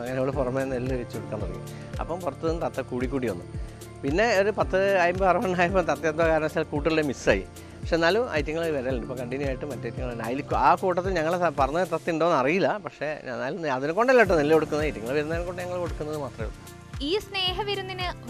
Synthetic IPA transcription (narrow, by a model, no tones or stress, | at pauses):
ɐŋːɐneoːɭɨpurɐmːenelːʋet͡ɕːukoɽukːaːnːɐrɐ̰jṵm | ɐ̰pːɐmpurɐt̪ːɨnːɨt̪ɐt̪ːɐkuːɽikʲːuːɽionːɨ̰ | pinːe̞oɾupɐt̪ːɨɐjɐmbɐɐrɐʋɐɳaːjɐpːomt̪ɐt̪ːɐjet̪̬̚ːʋɐkaːɾɐsaːlkuːʈːɐriɽemisa̰ːjḭ | pɐkʂenːaːluʔɐ̰jtːɐŋːɐɭʋɐɾaːluɳɖɨipoŋkɐɳɖinuaːjiʈːɨmɐtːɐjtːɐŋːɐɭeɳɖa̰ːjilikʲːuaːkuːʈːɐt̪ːilɲɐŋːɐɭpɐrɐɲːut̪ɐt̪ːiiɳɖoːnɐrijilːɐpɐkʂe̞̰nːaːluɐðinɨko̞ɳɖelːaʈ̬ːɨnelːeko̞ɽukːunːɐðɐjtːɐŋːɐɭʋɐɾunːɐːnkoɳɖɨɲɐŋːɐɭko̞ɽukːunːɐðɨmaːt̪rɐm̰ | iːsneːɦɐʋiɾunːinɨ